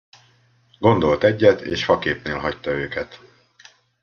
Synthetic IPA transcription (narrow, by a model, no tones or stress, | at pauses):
ɡo̞n̪d̪o̞lt̪ɛɟːɛt̪ʰḛːʃhɒkeːpneːlɦɒct̪ɒøːkɛt̪